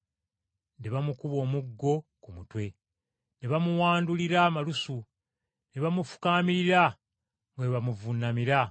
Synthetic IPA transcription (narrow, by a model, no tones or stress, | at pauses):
ndeβamukuβo̞ːmuɡːo̞kumutwe̞ | neβamuwaːnduliɾamalusu | neβamufu̥kaːmiɾiɾa | ŋɡeβamuvunːamiɾa